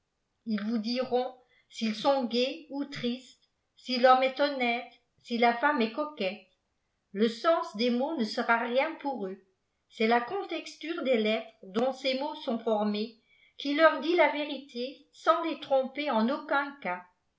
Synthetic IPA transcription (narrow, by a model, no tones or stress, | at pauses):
ilvud̪iʁɔ̃ | silsɔ̃ɡeut̪χist̪ | silɔmɛt̪ɔnɛt̪ | silafamɛkɔkɛt̪ | ləsɑ̃sd̪emonəsəʁaʁjɛ̃puʁø | sɛlakɔ̃t̪ɛkst̪yːʁd̪elɛt̪χd̪ɔ̃semosɔ̃fɔʁme | kʲilœʁd̪ilaveʁit̪ʰe | sɑ̃let̪χɔ̃peɑ̃nokɛ̃ka